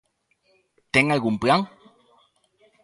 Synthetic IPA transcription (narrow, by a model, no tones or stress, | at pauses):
t̪eŋalɡumplaŋ